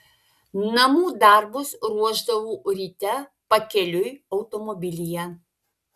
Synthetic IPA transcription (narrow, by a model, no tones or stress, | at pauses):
nɐmuːd̪ɐˑɾbʊsɾuɔʒd̪ɐʋuːɾʲiːt̪ʲɛ | pɐkʲɛlʲʊjɒʊt̪omɔbʲɪlʲɪjɛ